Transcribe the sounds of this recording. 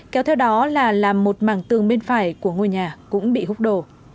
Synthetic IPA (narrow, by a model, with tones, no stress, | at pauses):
kɛ˨˦wt̪ʰɛ˧wɗɔ˨˦laː˨˩laː˨˩mːo˨˩t̚maː˧˩ŋt̪ɨ˨˩əŋɓe˧nfaː˧˩jku˧˩əŋo˧jɲaː˨˩kʊ̰˧˥ŋ͡mɓḭ˧˨hʊ˦˥k͡p̚ɗo˧˩